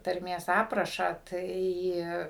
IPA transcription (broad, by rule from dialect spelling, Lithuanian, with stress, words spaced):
tɐrʲˈmʲeːs ˈɑːprɐʃɑː ˈtɐɪ